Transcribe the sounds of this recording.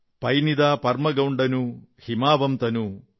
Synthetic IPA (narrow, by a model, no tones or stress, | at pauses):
pɐjnid̪aːpɐɾmɐɡɐwɳɖɐnuhimaːbɐmt̪ɐnu